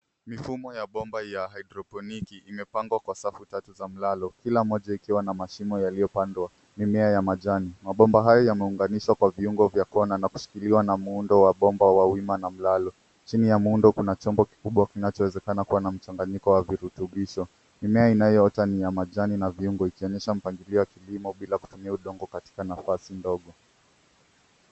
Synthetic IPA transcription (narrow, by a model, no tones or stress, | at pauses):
mifumɔjaɓɔmbajaɦaidɾɔpɔnikiːmɛpaŋɡwakwasafutatuzam̩lalɔkilam̩ɔʄaikiwanamaʃimɔjalijɔpandwa | nimɛajamaʄanimaɓɔmbaɦajɔjamɛuŋɡaniʃwakwaviuŋɡɔvjakɔnanaku̥ʃi̥kiliwanamuundɔwaɓɔmbawawimanam̩lalɔ | t͡ʃinijamundɔkunat͡ʃɔmbɔki̥kuɓwakinat͡ʃɔwɛzɛkanakuwanam̩t͡ʃaŋɡaɲikɔwaviɾutuɓiʃɔ | nimɛainajɔɔtanijamaʄaninaviuŋɡɔikiɔɲɛʃam̩paŋɡiliɔwakilimɔɓilaku̥tumiauɗɔŋɡɔkati̥kanafasindɔɠɔ